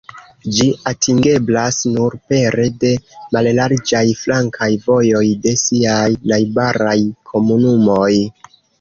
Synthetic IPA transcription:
d͡ʒiatʰiŋɡe̞blasnuɾpe̞ɾe̞de̞mallaɾd͡ʒajflaŋkʰajvo̞jo̞jde̞siajnajbaɾajkʰo̞munumo̞j

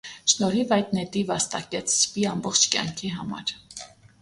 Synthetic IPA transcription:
ʃnɔɾivɑjd̪nɛt̪ivɑst̪ɑkɛt͡sʰspiɑmbɔχt͡ʃʰkjɑ̰ŋkʰiɦɑmɑ̰ɾ

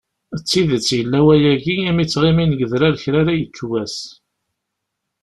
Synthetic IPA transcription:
ət͡sːiðət͡sːjəlːæwæjæɡiæmit͡sːʁiminəɡəðɾaɾçɾaɾæjət͡sːwæs

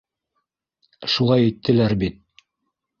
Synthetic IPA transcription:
ʃulˠɑjɘ̆jt̪ʰːɘ̆læɾbit̪̚

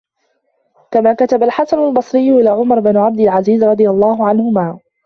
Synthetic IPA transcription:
kamaːkat̪abalħasanalbɑsˤɾɪjːʊʔɪlaːʕʊmɑɾˤbɪnʕab̚d̪ɪlʕaziːzɾˤɑd̪ˤɨjɑlˤːɑːhʊʕanhʊmaː

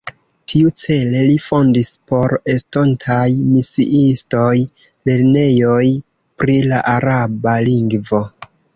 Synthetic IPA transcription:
tʰiut͡se̞le̞lifo̞ndispo̞ɾestontʰajmisḭʔisto̞j | le̞ɾne̞jo̞j | pɾilaʔaɾabaliŋɡvo̞

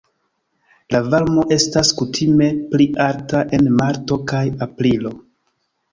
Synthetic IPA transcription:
lavalmo̞ʔe̞staskutʰime̞pliʔaɾtaʔe̞nmaɾto̞kajapɾilo̞

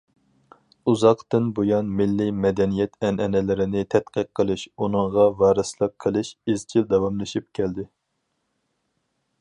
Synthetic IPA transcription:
uzɑqt̪ɨnbojɑnmɪlːɪmɛd̪ɛnijɛt̪ʰɛnʔɛnɛlɪɾɪnɪt̪ʰɛt̪qəq̚ʰːəlˠɨʃunɨɴʁɑvɑːɾɨslˠɨp̚qʰəlˠɨʃizt͡ʃʰild̪ɛwɑmlˠɨʃip̚kʲʰɛld̪ɪ

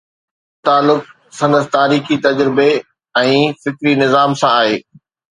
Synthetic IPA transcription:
t̪aːlːʊk̚ | sɐ̃nd̪əst̪aːɾiːxit̪ɐd͡ʑɾɪbe | ɛ̃ːfɪkɾinɪzaːmsãaːɦeː

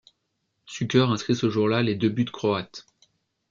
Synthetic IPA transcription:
sykʲœʁɛ̃skχisəʒuʁlaled̪əbyd̪əkχɔat̪

